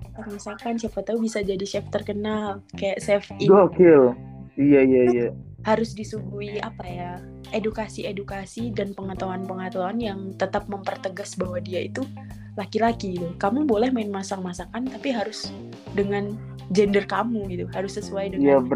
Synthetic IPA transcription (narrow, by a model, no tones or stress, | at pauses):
saŋmasakansiapat̪aubisad͡ʒadiʃɛft̪ərkənalkajaʔsɛfiɡokɪlijaijaijahaɾʊsdisukuia̰paja | ʔedukasiedukasidanpəŋət̪awanpəŋat̪aanjaŋt̪ət̪ap̚məmpərt̪əɡasbaɦwadiait̪u | lakilakit̪ʊkamubolɛhmaɪnmasaŋmasakant̪apiɦaɾʊs | dəŋan | d͡ʒɛndərkamuɡit̪uhaɾʊsːəsuajdəab